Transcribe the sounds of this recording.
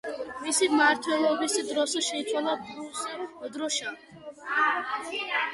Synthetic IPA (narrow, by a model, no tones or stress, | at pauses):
misimaɾt̪ʰwɛlˠɔbisid̪ɾɔsɛʃɛit̪sʰwalˠad̪ɾusɛd̪ɾɔʃa